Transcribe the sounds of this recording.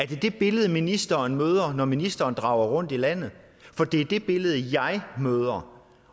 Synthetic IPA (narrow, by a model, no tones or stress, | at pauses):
æɐd̥e̝d̥e̝b̥e̝ləð̩ˠminisd̥ɐnmøːð̞ˠɐnɒminisd̥ɐːnd̥ʁɑ̈ʊ̰ɐʁɔ̽n̰d̥ilæn̰ð̩ˠ | fɒ̽d̥e̝æɐd̥e̝b̥e̝ləð̞̩ˠjɑ̈ɪmøːð̞ˠɐ